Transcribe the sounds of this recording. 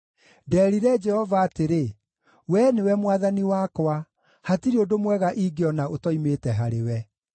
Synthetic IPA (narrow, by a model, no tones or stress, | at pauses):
dɛːɾiɾɛd͡ʒɛhɔvaːteɾe | wɛːnewɛmwaðaniwakwa | hatiɾeodomwɛɣaʔiɡeɔnaotɔimeːtɛɦaɾewɛ